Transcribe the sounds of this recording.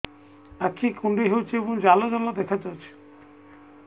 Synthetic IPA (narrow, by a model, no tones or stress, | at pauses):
akʰikʰuɳɖeɦewt͡ʃʰiebɔŋd͡ʒalad͡ʒalad̪ɛkʰat͡ʃawt͡ʃʰi̥